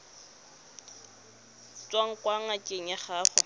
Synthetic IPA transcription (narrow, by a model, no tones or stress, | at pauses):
t͡sʼwaŋ̩kʼwaŋakʼeŋ̩jaχaːχɔ